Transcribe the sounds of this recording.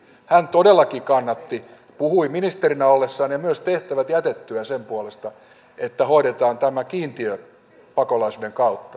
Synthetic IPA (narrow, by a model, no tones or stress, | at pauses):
hænt̪odelːɑkikɑnːɑt̪ːi | puhuiminist̪erinæolːesːɑːnjɑmyøst̪eht̪æʋæt̪jæt̪et̪ːyæsempuolest̪ɑ | et̪ːæhoiɾet̪ɑːnt̪æmækiːnt̪iø | pɑkolɑisuːdeŋkɑut̪ːɑ̥